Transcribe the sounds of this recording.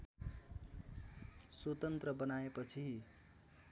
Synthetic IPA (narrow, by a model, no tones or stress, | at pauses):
swot̪ʌnt̪rʌbʌnaepʌt͡sʰi